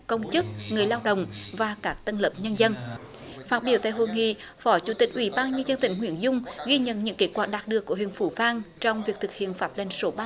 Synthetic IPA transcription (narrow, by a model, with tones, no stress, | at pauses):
kə˧wŋ͡mt͡ɕɨ˦˥k̚ŋɨ˨˩əjlaː˧wɗə̰˧˨wŋ͡mvaː˨˩kaː˦˥k̚t̪ə˧nləː˨˩p̚ɲə˧nzə˧n | faː˦˥t̚ɓi˧˩əwt̪a̰ː˧˨jɦo˧˨jŋḭ˧˨ | fɔ˨˦t͡ɕu˧˩˦t̪ï˨˩k̚ʔwḭ˧˦ɓaː˧nɲə˧nzə˧nt̪ï˧˩˦ŋ̟ɦwḭ˧˩ənzʊ˧ŋ͡mɣi˧ɲə̰˧˨nɲɨ̰˧˥ŋke˦˥t̚kwaː˨˧˩k̚ɗaː˨˩ɗɨ˨˩əkːəhḭ˧˨ənfu˧˦vaː˧ŋt͡ɕɔ˧wŋ͡mvi˨˩ək̚t̪ɨ˨˩k̚hḭ˧˨ənfaː˦˥p̚lə˧˩jŋ̟so˨˦ɓa˧